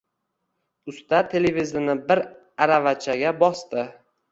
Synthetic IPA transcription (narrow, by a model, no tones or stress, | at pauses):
ʊst̪at̪ʰe̞levizɪnɪbɪɾ | aɾavat͡ʃʰaɡʲabɒst̪ɪ